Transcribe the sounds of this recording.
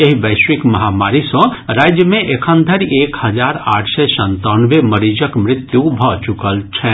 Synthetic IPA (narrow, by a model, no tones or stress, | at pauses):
jeɦibəɪswikməɦamaɾisɔ̃ɾad͡ʒjəmẽʔekʰə̃nd̪ʱəɾekhəd͡ʒaɾa̰ːʈʰsɛsə̃nt̪anʋeməɾid͡ʒəkmɾɪt̪jubʱɔt͡ʃukəlt͡ʃʰɛ